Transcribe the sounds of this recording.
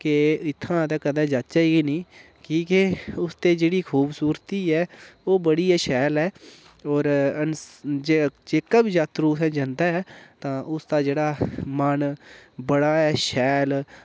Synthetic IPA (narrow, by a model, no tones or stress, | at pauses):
keɪt̪ʰːãːt̪ɛ̃ːkəd̪ɛ̃ːd͡ʒat̪t͡ʃaːiːɡiːnĩː | kĩːkeʊst̪eːd͡ʒeːɽiːkʰuːbsuːɾt̪iːɛːoːbəɽiːɛːʃɛːlɛː | ɔːɾənd͡ʒed͡ʒeːkəbd͡ʒat̪ɾuːsɛ̃ːd͡ʒə̃nd̪aːɛːt̪ãːʔʊst̪aːd͡ʒeːɽaːmənbəɽaːɛːʃɛːl